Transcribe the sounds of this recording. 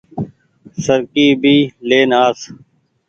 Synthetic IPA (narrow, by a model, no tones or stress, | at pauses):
səɾkiːbʱiːleːnaːs